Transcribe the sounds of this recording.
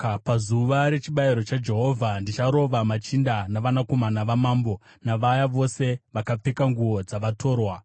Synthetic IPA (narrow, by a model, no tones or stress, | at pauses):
pazuʋaɾe̞t͡ʃiɓajiɾo̞t͡ʃad͡ʒe̞ɦo̞vʱandit͡ʃaɾo̞ʋamat͡ʃindanaʋanako̞manaʋamaːmbo̞ | naʋajaʋo̞se̞ʋakap͡fekaŋɡuo̞d͡zaʋatʰo̞ːrwa